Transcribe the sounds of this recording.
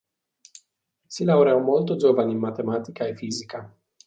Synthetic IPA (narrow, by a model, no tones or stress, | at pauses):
silauɾeawmolt̪ozovanʲinmat̪e̞mat̪ikaifizika